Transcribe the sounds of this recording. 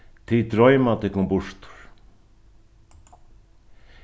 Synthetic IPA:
t̪ʰɪt̪ɾɔjmat̪ɪkʰɔmbʊʂt̪ʊ̥ɾ̥

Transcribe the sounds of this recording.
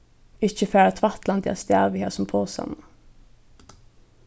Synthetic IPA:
ɪçəfeːɾət̪ʰʋɑt̪lɑnd̪ʰɪ̰ɑst̪æːʋɪheːsɔmpʰoːsɑ̰nə

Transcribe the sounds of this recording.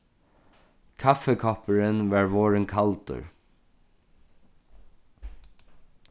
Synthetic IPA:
kʰafɛkʰɔpəɹɪnʋaːɹʋɔːɹɪŋkʰalt̪ə̰ɹ

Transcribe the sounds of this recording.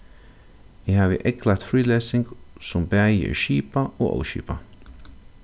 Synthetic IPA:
ɪɦaːʋɪ̰ʔɛklat̪fɾiːleːsɪŋɡsʊmbæːjɛ̰ɹʃiːpao̰ːo̰ːwʃḭːpa

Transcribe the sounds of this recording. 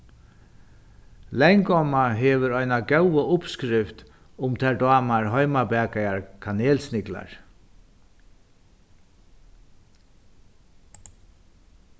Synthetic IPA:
lɛjŋkɔmaɦɛːʋəɾɔjnaɡɛwəʊpskɾɪft̪ | ʊmt̪ʰɛɹd̪ɑːmaɹɦɔjmabɛːkajaɹkʰaneːlsnɪkla̰ɹ

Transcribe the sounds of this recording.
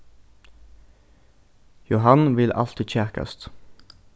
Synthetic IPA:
jʊɦhɑnʋɪlʔɑ̰lt̪ʰɪc͡çæʁkə̰st̪

